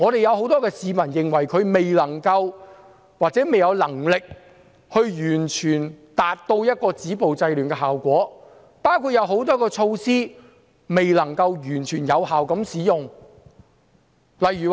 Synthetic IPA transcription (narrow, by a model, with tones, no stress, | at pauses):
ŋɔː˨˧ɾe˨jɐ˨˧who˨˥wt̪ɔː˥kɛː˧siː˨˧mɐ˨˩njɪ˨ŋwɐ˨˩jkʰɵ˨˧ɥme˨jlɐ˨˩ŋkɐ˧w | waː˨t̚t͡sɛː˨˥me˨jɐ˨˧wlɐ˨˩ŋlɪ˨k̚ | hɵ˧ɥjyː˨˩nt͡ʃʰyː˨˩nt̪aː˨t̚t̪o˧wjɐ˥t̚kɔː˧t͡siː˨˥po˨wt͡sɐ˧jlyː˨˩nkɛː˧ɦaː˨˩wkʷɔː˨˥ | paː˥wkʰuː˨˧t̚jɐ˨˧wɦo˨˥wt̪ɔː˥kɔː˧t͡ʃʰo˧wsiː˥ | me˨jlɐ˨˩ŋkɐ˧wjyː˨˩nt͡ʃʰyː˨˩njɐ˨˧whaː˨wkɐ˨˥msiː˨˥jʊ˨ŋ | lɐ˨jy˨˩w